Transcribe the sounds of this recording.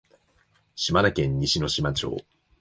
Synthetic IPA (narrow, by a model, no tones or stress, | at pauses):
ɕimaɾakẽ̞ɲ̟ːiɕino̞ɕimat͡ɕo̰ː